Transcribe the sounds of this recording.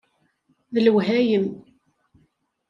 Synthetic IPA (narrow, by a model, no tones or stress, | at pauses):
ðəlwɦæjəm